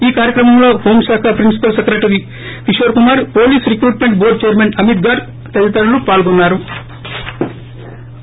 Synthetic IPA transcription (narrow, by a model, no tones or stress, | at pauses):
iːkaːɾjɐkɾɐmɐmloːho̞ːmsaːkʰapɾins̬i̥pɐlsekɾeʈiʋi | fiʃoːɾkumaːɾpoːliːsɾikɾuːʈme̞ɳʈboːɖ̚t͡ʃeːɾmenɐmit̪ɡaːɾ | t̪ɐd̪it̪ɐɾɐlupaːlɡɔnːaːɾu